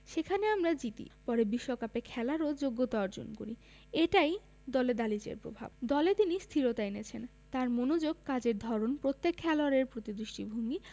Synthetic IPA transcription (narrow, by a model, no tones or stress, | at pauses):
ʃekʰaneamɾad͡ʑit̪ḭpɔɾebiʃːokapekʰɛlaɾod͡ʑoɡːot̪aɔɾd͡ʑo̰nko̰ɾi | eʈaj | d̪ɔled̪alit͡ɕḛɾpɾo̰bʱa̰b̚d̪ɔlet̪inist̪ʰiɾot̪ajnet͡ɕʰen | t̪aɾmonod͡ʑoɡ̚kad͡ʑeɾd̪ʱɔɾonpɾot̪ːekʰːɛloaɾeɾpɾot̪id̪ɾiʃʈibʱoŋɡi